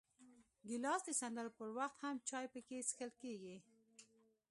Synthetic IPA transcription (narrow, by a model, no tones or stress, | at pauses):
ɡɪlɑsd̪əsand̪aɾpəɾwaxt̪hamt͡ʃɑjpəkesi̥xəlkeɡi